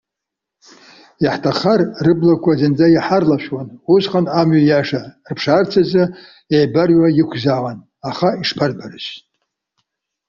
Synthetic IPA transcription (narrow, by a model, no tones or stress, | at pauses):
jaħtʰaχarrɨblakʷʰazɨnd͡zajaħarlaʃᶣwanusqʼanamɥajaʂarpʰʂart͡sʰaza | ejbarɥʷajɪkʷʰzaʁan | aχaiʂpʰarbarɨʃtʼ